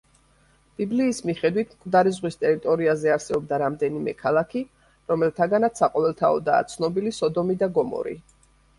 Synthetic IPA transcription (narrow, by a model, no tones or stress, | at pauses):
b̥ibliːsmiχɛd̪wit̪ʰmkʼvd̪aɾizʁwist̪ʼɛɾit̪ʼɔɾiazɛaɾsɛbɔb̚d̪aɾamd̪ɛnimɛ̰kʰalˠakʰi | ɾɔmɛlˠt̪ʰaɡanat̪saqʼɔvɛlˠt̪ʰaɔ̰d̪a̰ːt̪sʰnɔbilisɔd̪ɔmid̪aɡɔmɔ̰ɾḭ